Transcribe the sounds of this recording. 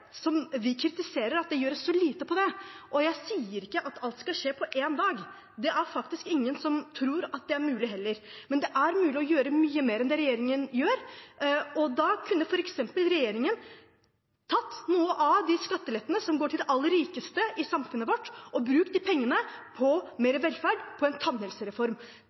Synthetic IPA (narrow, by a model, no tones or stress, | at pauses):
sɔmʋɪkʰɾɪt̪ɪseːɾəɾɑt̪̚d̪ɛjøːɖɛsɔliːt̪əpʰɔd̪ɛʔɔjæɪsiːəɾɪkːəʔɑt̪ʰɑlt̪skɑlʂeːpʰɔʔeːnd̪ɑːɡ | d̪ɛʔæɾfɑkt̪ɪskɪŋːənsɔmt̪ʰɾuːɾɑt̪̚d̪ɛæɾmʉːlɪɦɛlːəɾmɛnd̪ɛʔæɾmʉːlɪɔjøːɾəmyːəmeːɾɛnd̪ɛɾɛjeːɾɪŋənjøːɾ | ɔd̪ɑkʰʉnːəfɔɾɛksɛmpəlɾɛjeːɾɪŋən | t̪ʰɑt̪ːnuːəʔɑd̪ɪskɑt̪ːəlɛt̪ːənəsɔmɡoːʈʰɪlɛʔɑlːəɾiːkəst̪əʔɪsɑmfʉnːəʋɔʈːʔɔbɾʉːk̚d̪ipʰɛŋːənəpʰɔmeːɾəʋɛlːfæɖpʰɔɛnt̪ʰɑnhəlsəɾɛfɔɾm